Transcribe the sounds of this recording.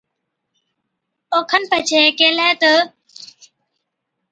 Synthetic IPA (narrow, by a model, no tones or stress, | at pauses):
oːkʰənpət͡ʃʰeːkeːlaːt̪ə